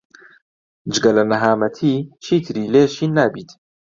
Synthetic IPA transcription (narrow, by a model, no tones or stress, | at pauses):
d͡ʒɨɡɐlɐnɐɦaːmɐt̪ʰiːt͡ʃʰiːt̪ʰɨɾiːleːʃiːnːaːbiːt̪